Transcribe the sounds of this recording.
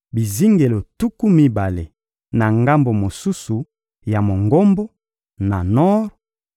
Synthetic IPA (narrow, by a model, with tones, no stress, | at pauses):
bi˨zi˦ŋɡe˨lo˨tu˦ku˦mi˦ba˨le˨ | na˨ŋɡa˦mbo˨mo˨su˦su˨ | ja˨mo˨ŋɡo˦mbo˦ | na˨nɔ˦ʁ